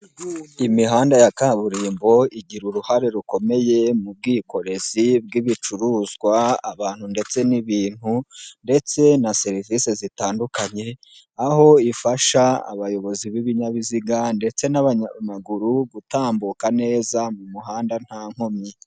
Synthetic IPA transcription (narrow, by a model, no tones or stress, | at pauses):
imiɦaːndajakaβuɾiːmbo̞iɟiɾuɾuhaɾe̞ɾuko̞me̞je̞mub̚ɡiːko̞ɾe̞zib̚ɡiβit͡ʃuɾuːzɡwaa̰βaːn̥hunde̞t͡se̞niβiːn̥hunde̞t͡se̞nase̞ɾivisezitaːndukaɲe̞ | aho̞ifaʃaa̰βajo̞βo̞ziβiβiɲaβiziɡande̞t͡se̞naβaɲamaɡuɾuβutaːmbukane̞ːzamumuɦaːndan̥haːŋ̥homɲi